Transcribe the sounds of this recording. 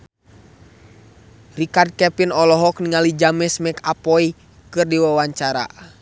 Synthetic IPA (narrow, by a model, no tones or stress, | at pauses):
rikard̚kɛpinɔlɔɦɔkniŋalid͡ʒamɛsmɛkapɔi | kɨrdiwawaɲt͡ʃaɾa̰